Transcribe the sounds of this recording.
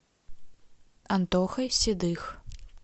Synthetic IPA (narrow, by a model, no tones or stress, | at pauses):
ɐnt̪ɔxɐjsʲid̪ɨx